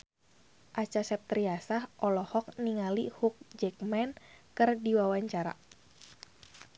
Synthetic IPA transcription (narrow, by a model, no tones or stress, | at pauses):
ʔat͡ʃasɛp̚t̪ɾiasahʔɔlɔhɔk̚niŋalihuk̚d͡ʒɛk̚mɛnkɨrdiwawaɲt͡ʃaɾa̰